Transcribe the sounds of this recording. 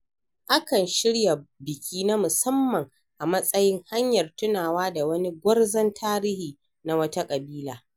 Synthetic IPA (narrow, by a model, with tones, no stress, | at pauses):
ʔa˦kɐ˨nʃɪ˦ɽja˨bɪ˨kʲʰiː˦na˦mʊ˨sɐ˦mːɐ˨ŋ | ʔa˨mɐ˦sʼɐ˦jɪ˦ŋha˦ɲjɐ˨rtʊ˦naː˨waː˦da˨wɐ˦ni˦ɡʷɐ˦rzɐ˦ntʰaː˦ɾiː˦hiː˨ | na˦wɐ˦ta˦kʼɐ˨biː˦laː˦